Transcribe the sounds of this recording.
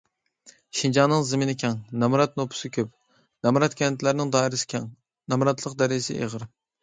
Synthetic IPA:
ʃind͡ʒɑnːɨŋzɪmɪnɪkʲʰɛŋnɛmɾɑt̪̚nopʰʊ̥sɪkʲʰøp̚ | nɛmɾɑt̪̚kʲɛnt̪ʰlæɾnɪŋd̪ɑːɪɾɪsɪ̥kʲʰɛŋ | nɛmɾɑt̪ʰlˠəqd̪æɾɪɪsɪ̰ʔḛʁəɾ

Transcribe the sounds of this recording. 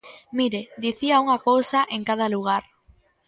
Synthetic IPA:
miɾed̪iθiauŋakowsaʔeŋkað̞aluɣ̞aɾ

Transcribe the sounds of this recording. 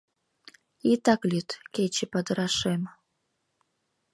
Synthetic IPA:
it̪aklʲit̪kʲet͡ɕepad̪ɾaʃem

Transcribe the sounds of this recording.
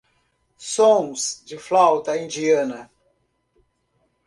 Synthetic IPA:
sõŋsd͡ʒɪflawt̪ɐĩnd͡ʒiɐnɐ

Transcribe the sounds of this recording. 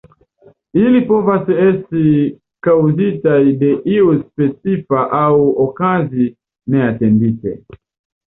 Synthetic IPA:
ilipɔvasɛɛsi | kauzitaidɛʔiuspɛsifaʔauɔkazi | nɛatɛnditɛ̰

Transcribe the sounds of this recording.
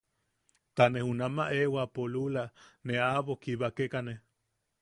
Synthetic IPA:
t̪anehunamaʔewapolulaneaβokiβakekane

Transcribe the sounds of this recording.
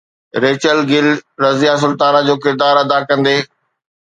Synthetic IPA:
ɾeːt͡ɕəlɡɪlɾɐzijas̬ʊlt̪aːnad͡ʑoːkɪɾd̪aːɾɐd̪akɐ̃nd̪eː

